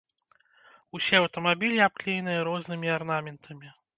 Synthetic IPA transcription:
usʲɛɐwt̪ɐmabʲilʲiap̚klʲijnɨjɐɾɔznɨmʲiarnamʲɛnt̪ʰɐmʲi

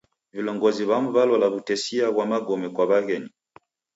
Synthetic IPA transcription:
vilɔŋɡɔziβamuβalɔlaβutɛsiaβwamaɡɔmɛkwaβaɣɛni

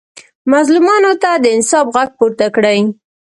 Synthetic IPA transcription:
mazlumɑnot̪ad̪əɪnsɑfɣaɡ̚puɾt̪akɽəj

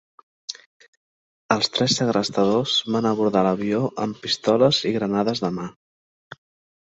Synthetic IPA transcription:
əlˠst̪ɾɛsəɣɾəst̪əðozβanəβuɾðaləβioʔəmpist̪ɔləziɣɾənaðəzðəma

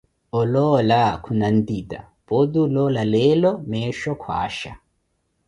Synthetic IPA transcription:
ɔlɔlakʰunand̪id̪a̰ | b̥od̪ulɔlaleːlɔmɛːʃɔkʰwa̰ːʃa

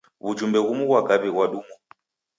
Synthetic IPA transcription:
βud͡ʒumbɛɣumuɣwaɡaβiɣwaɗuːmu

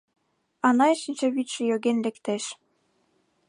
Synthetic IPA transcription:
ɑnɑeʃinʲt͡ɕɑβit̪t͡ɕĕjoɣenlekt̪eʃ

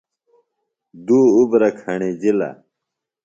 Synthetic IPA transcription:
d̪uːubɾɐkʰɐɳed͡ʑilɐ̰

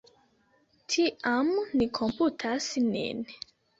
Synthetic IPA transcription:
tʰiʔamnikʰomputʰasnḭn

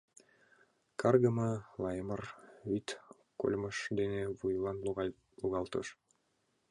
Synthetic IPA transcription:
kɑrɡɤ̆mɤlˠɑjɤmɤrvit̪ | ko̰lʲmɤ̆ʃd̪eneβujlˠɑn | luɣɑlˠt̪ɤ̰̆ʃ

